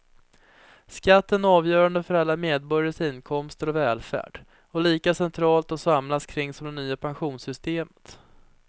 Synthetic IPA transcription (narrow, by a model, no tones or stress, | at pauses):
skat̪ːənæɑːvjœːɾand̪əfœɾalːameːd̪̚bɔɾjaʂɪnːkʰɔmst̪əɾɔvɛːlfæ̰ːɖ̥ | ɔliːkasɛnt̪ʰɾɑːlt̪ɔsamlaskʰɾɪŋːsɔmd̪ɛnyːapʰanɧuːnsʏst̪eːmə̥t̪